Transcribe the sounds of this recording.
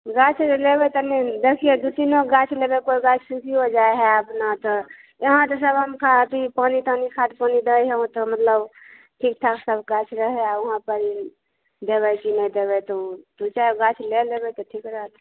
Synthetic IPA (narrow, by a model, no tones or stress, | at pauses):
ɡat͡ʃʰlebɛt̪əned̪ekʰijed̪ut̪inoɡat͡ʃʰlebekoiɡat͡ʃʰsunkiod͡ʒaeɦɛəpnat̪ɔ | eɦãt̪əsəbɦəmkʰad̪ipanit̪ənikʰat̪̚panid̪əjɦeũt̪ɔmət̪ləb | ʈʰik̚ʈʰaksəbɡat͡ʃʰɾəɦɛauɦãpəɾi | d̪eβəkinəid̪ebɛt̪ɔd̪ut͡ʃaeɡat͡ʃʰlelebɛt̪ɔʈʰikɾəɦt̪